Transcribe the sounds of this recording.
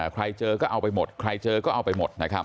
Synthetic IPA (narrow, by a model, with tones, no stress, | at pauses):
kʰɾa˧jt͡ɕɤː˧kɔː˥˩ʔa˧wpa˧jmo˨˩t̪̚kʰɾa˧jt͡ɕɤː˧kɔː˥˩ʔa˧wpa˧jmo˨˩t̪̚na˦˥kʰa˦˥